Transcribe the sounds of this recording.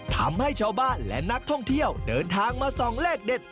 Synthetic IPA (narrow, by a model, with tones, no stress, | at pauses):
t̪ʰa̰˧mha˥˩jt͡ɕʰaː˧wbaː˥˩nlɛ̰˦˥na˦˥k̚t̪ʰɔ˥˩ŋt̪ʰi˥˩əwdɤː˧nt̪ʰaː˧ŋmaː˧sɔː˨˩˦ŋɾɛː˥˩k̚de˨˩t̪̚